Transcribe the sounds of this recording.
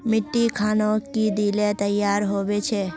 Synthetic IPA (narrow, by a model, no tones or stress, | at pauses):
mɪʈːikʰaːnokid̪ilet̪əjːaːɾɦoʋet͡ʃʰe